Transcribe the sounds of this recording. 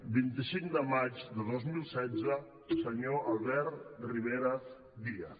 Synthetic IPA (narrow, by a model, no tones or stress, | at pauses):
bint̪isiŋd̪əmad͡ʒd̪əðozmilˠsɛd͡zə | səɲoalˠβɛɾt̪riβeɾə | ðiə